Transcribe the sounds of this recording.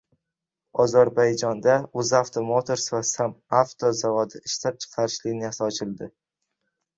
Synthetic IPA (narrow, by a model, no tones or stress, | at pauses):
ɒzaɾbajd͡ʒɒnd̪aɵzaft̪ʰomot̪ʰoɾsvasamaft̪ʰozavɒd̪ɪɪʃt̪ap̚t͡ʃʰɪ̥qʰɑɾɪʃlɪnɪjasɒt͡ʃʰɪlˠd̪ɪ